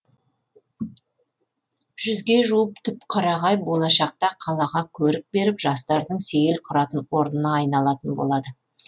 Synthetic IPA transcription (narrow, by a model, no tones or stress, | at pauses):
ʒ̥ʏzɡʲe̞ʒuwəp̚t̪ʰʏpqʰɑɾɑʁɑjbo̞lˠɑʃɑq̚t̪ɑqʰɑlˠɑʁɑkʲʰɵɾɪk̚be̞ɾɪpʒɑst̪ɑɾd̪əɴse̞jelqʰʊɾɑt̪ənwo̞ɾnənɑːjnɑlˠɑt̪ənbolˠɑd̪ə